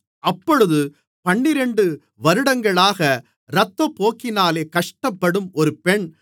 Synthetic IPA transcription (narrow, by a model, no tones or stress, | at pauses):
ʔɐpːɔɻɯðɯ | pɐɳːɪɾɛɳɖɯ | ʋɐɾɯɽɐŋɡɐɭaːɣɐ | ɾɐt̪ːɐpoːkːɪnaːleːkɐʂʈɐpːɐɽɯmɔɾɯpɛɳ